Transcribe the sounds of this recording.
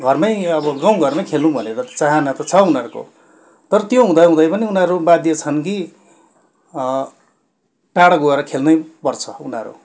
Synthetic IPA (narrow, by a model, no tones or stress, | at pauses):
ɡʱʌrmʌjʌbʌɡaw̃ɡʱʌrmʌjkʰelnũbʱʌnet̪ʌt͡saɦanat̪ʌt͡sʰʌunʌɾko̰ | t̪ʌɾʌt̪joɦũd̪ʌjɦũd̪ʌjpʌniunaɾubad̪jʌt͡sʰʌnki | ʈaɽʌɡoeɾʌkʰelnʌjpʌrt͡sʰʌunaɾṵ